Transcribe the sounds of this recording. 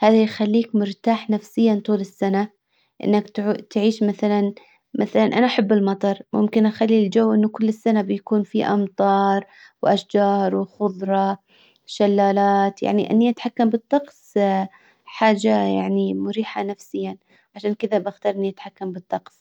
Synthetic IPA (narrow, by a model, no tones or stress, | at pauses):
haːðajxalːiːkmʊɾt̪aːħnafsɪjːant̪ˤuːlɪsːana | ʔɪ̰nːakt̪t̪ʕiːʃmaθalan | maθalanʔanaʔaħabːɪlmɑt̪ˤɑɾˤmʊ̰mkɪnʔaxalːild͡ʒawːʔɪnːʊkʊlːɪsːanabɪjakuːnfiʔɑmt̪ˤɑːɾˤ | wʔaʃd͡ʒɑːɾˤwɪxʊðˤɾˤɑ | ʃalːaːlaːt̪ja̰ʕniʔɪ̰nːiʔat̪ħakːambɨt̪ˤːɑqsˤ | ħaːd͡ʒaja̰ʕnimʊɾiːħanafsɪjːan | ʕaʃaːnkɪðabaxt̪ɑːɾˤʔɪnːiʔat̪ħakːambɨt̪ˤːɑqs